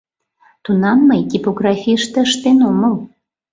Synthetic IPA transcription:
t̪unɑmːəjt̪ʲipoɣrɑfʲiəʃt̪ĕəʃt̪enoməl

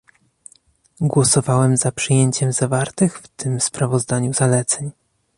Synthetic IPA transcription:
ɡwɔsɔvawɛmzapʂɘjeɲt͡ɕɛmzavaɾt̪ɘxft̪ɘmspɾavɔzd̪aɲuzalɛt̪sɛɲ

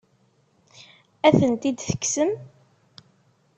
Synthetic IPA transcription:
æθənt̪id̪θə̥ksəm

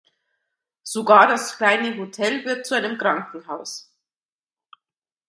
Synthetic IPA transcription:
z̥oɡaːɐdaskl̥aɪnəɦotʰɛlvɪɐt̚t͡suʔaɪnəmkʁ̥aŋkŋ̩ɦaʊs

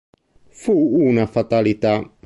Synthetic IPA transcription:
fuʔuːnɐfat̪alit̪a

